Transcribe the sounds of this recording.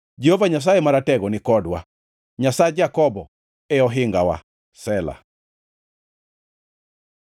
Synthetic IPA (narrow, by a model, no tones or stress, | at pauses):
d͡ʒɛhovaɲas̬aɛmaɾatɛɡɔnɪkɔdwa | ɲasaɛd͡ʒakɔbɔ | ɛɔɦɪŋɡawa̰ | sɛla̰